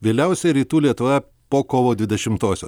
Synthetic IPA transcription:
ʋʲeːlʲɛʊsʲɛɾʲiːt̪uːlʲiɛt̪ʊʋɛ | poːkoːʋoːd̪ʲʋʲɪd̪ʲɛʃʲɪmt̪oːsʲo̰ː

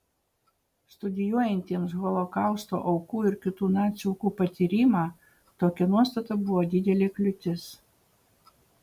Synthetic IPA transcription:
st̪ʊd̪ʲɪjuɔjɛnʲt̪ʲiɛmsɣɔlˠokɑˑʊst̪o̰ːʔɐʊkuːɪɾkʲɪt̪uːnɑːt̪sʲɛʊkuːpɐt̪ʲiːɾʲiːmɑː | t̪oːkʲɛnuɔst̪ɐt̪ɐbʊʋɔːd̪ʲɪd̪ʲɛlʲeːklʲʊt̪ʲɪs

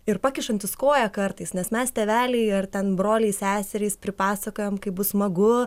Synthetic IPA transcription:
ɪrpɑːkʲɪʃɐnʲt̪ʲɪskoːjɛkɐrt̪ɐɪsnʲɛsmʲɛst̪ʲɛʋʲæːlʲɛɪɐrt̪ʲɛnbɾoːlʲɛɪsʲæːsʲɛɾʲɛɪspʲɾʲɪpɑːsɐkoːjɛmkɐɪbʊsmɐɡʊ

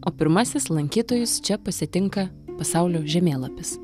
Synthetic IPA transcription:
ʔoːpʲɪɾmɐsʲɪslˠɐŋʲkʲiːt̪oːjʊst͡ʃʲɛpɐsʲɪt̪ʲɪŋkɐ | pɐsɑˑʊlʲoːʒʲɛmʲeːlˠɐpʲɪs

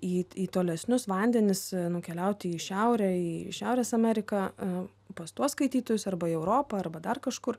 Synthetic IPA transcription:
iːiːt̪oːlʲɛsʲnʲʊsʋɐnʲd̪ʲɛnʲɪsnʊkʲɛlʲɛʊt̪ʲɪiːʃʲɛʊɾʲɛiːʃʲæʊɾʲeːsɐmʲɛɾʲɪkɐ | pɐst̪uɔsskɐɪt̪ʲiːt̪oːjʊsɐrbɐiːɛʊɾoːpɐɐrbɐd̪ɐrkɐʃkʊr

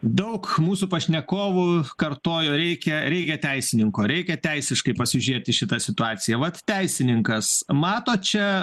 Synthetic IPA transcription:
d̪ɐʊkmuːsupɐʃʲnʲɛkoːʋukɐrt̪oːjoːɾʲɛɪkʲɛɾʲɛɪkʲɛt̪ʲɛɪsʲɪnʲɪŋkoːɾʲɛɪkʲɛt̪ʲɛɪsʲɪʃkɐɪpɐsʲɪʒʲiɛt̪ʲɪʃʲɪt̪ɐsʲɪt̪ʊɑːtsʲɪjɛʋɐt̪t̪ʲɛɪsʲɪnʲɪŋkɐsmɑːt̪oːt͡ʃʲɛ

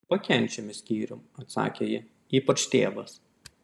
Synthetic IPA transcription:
pɐkʲɛnʲt͡ʃʲɛmʲɪsʲkʲiːɾʲʊmɐt̪sɑ̰ːkʲejɪ | iːpɐt͡ʃt̪ʲeːʋɐs

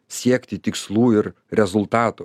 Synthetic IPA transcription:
sʲiɛkt̪ʲɪt̪ʲɪkslˠuːɪɾ | ɾʲɛzʊlˠt̪ɑːt̪ʊ

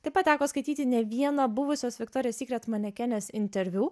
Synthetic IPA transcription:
t̪ɐɪpɐt̪̚t̪ʲæːkoːskɐɪt̪ʲiːt̪ʲɪnʲɛʋʲiɛnɐbʊʋʊsʲoːsʋʲɪkt̪ɔːɾʲɪjoːsʲiːkɾʲɛt̪mɐnʲɛkʲɛnʲeːsɪnʲt̪ʲɛɾʲʋʲuː

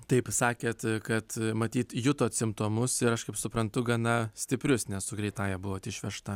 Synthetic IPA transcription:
t̪ɐɪpsɑːkʲeːt̪kɐt̪mɐt̪ʲiːt̪jʊt̪oːt̪ʲsʲɪmt̪oːmʊsɪɾɐʃkɐɪpsʊpɾɐnt̪ʊɡɐnɐsʲt̪ʲɪpʲɾʲʊsnʲɛssʊɡɾʲɛɪt̪ɑːjɛbʊʋoːt̪ʲɪʃʲʋʲɛʃt̪ɐ

